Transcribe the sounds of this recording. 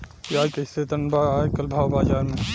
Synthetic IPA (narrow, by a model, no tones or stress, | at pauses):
iaːjkeset̪ənbaajkɐlbʱaːwbaːd͡ʒaːɾme